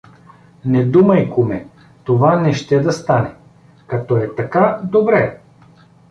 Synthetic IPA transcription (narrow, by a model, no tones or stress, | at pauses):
nɛd̪umɐjkʊmɛ | t̪ovanɛʃt̪ɛd̪ɐst̪anɛ | kɐt̪ɔɛt̪ɐkad̪obɾɛ